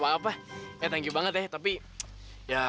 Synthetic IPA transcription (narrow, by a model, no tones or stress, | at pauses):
paːpajat̪aŋɡibaŋət̪ɛht̪ːapi | ja